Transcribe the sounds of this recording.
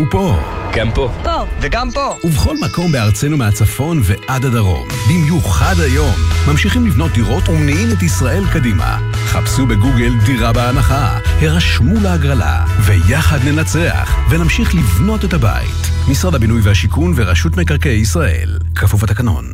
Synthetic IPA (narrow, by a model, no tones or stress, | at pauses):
upoɡ̥ampopoveɡampouveχo̞lmako̞mbeaʁt͡se̞numeat͡safo̞nve̞ʔadhadaʁo̞̰mbimjuχadajo̞mːamʃiχimlivno̞t̚d̪iʁo̞tunimet̬isʁaʔe̞lkadima̰ | χapsube̞ɡuɡeldiʁabeanaχa | heʁaʃmubeaɡʁala̰ | ve̞jaχadne̞nat͡se̞a̰χve̞namʃiχlivno̞te̞thaba̰jḭt | misʁadabinujvehaʃikunveʁaʃutmekaʁkejisʁaʔe̞̰l | kʰafuvat̪akano̞̰n